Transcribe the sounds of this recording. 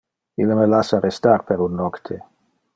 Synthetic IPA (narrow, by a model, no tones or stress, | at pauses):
ilːəməlasaɾest̪aɾpeɾunːɔkt̪ʰe